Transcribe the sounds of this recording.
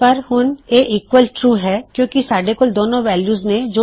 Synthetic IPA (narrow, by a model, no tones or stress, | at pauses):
pɐɾhʊneːiːkwəlʈɾuːɦɛkjõːkisaːɖekʊld̪oːnõʋɛːljuːznẽd͡ʒoː